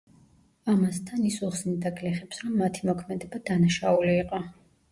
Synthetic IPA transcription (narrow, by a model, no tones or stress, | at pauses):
amast̪ʰanisuχsnid̪akʰʼlɛχɛpsɾɔmːat̪ʰimɔkʰmɛd̪ɛbad̪anaʃauliːqʼɔ